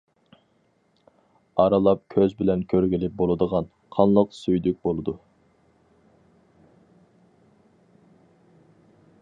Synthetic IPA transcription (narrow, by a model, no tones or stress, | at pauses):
ɑɾɑlˠɑp̚kʲʰøzbɪlɛnkʲʰøɾɡʲilɪp̚bolˠɨd̪əʁɑn | qʰɑnlˠəqsyjd̪yk̚ʲbolˠɨd̪u